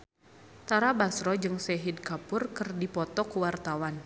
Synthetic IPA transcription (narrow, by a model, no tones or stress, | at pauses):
t̪aɾabasɾɔd͡ʒɨŋsɛɦid̚kapʊrkɨrdipɔt̪ɔkuwart̪awan